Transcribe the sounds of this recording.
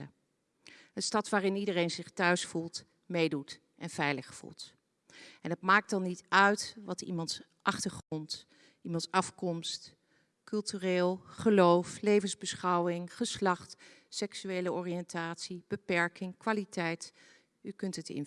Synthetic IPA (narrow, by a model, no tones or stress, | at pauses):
ə | ənstɑtʋaːrɪnidərejnzɪχtœɥsfulˠt | mejdut | ʔɛnv̥ɛjləχfṵlˠt | ɛnɦətmaːk̚tɑnːitœɥtʋɑtḭmɑnt | ʔɑχtəɹχrɔnt | imɑntsɑfkɔmst | kɵlˠtyreːlˠχəlowflejvənzbəsχɑwɪŋχəslɑχt | sɛksyejləɔːriɛntaːtsib̥əpɛɹkɪŋkʋaːlitɛjt | ykɵntətɪ̰n